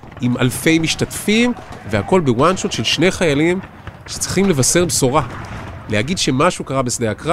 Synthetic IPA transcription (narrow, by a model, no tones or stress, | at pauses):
imalfe̞jmiʃtatfimveako̞lbewanʃot̪ʃe̞lʃne̞jχajalim | ʃe̥t͡sʁi̥χimle̞vase̞ʁbso̞ʁalehaɡidʃe̞maʃukaʁabesd̪eakʁa